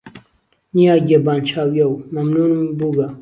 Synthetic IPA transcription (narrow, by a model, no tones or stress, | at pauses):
nijaːɡiebaːnt͡ʃʰaːwjɐwmɐmnuːnumibuɡa